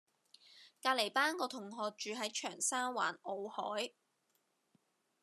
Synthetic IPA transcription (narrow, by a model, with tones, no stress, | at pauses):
kaː˧le˨˩jpaː˥nkɔː˧t̪ʰʊ˨˩ŋɦɔː˨k̚t͡ʃyː˨ɦɐ˨˥jt͡ʃʰœː˨˩ŋsaː˥nwa̰ː˨˩no˨˧whɔ̰ː˨˥j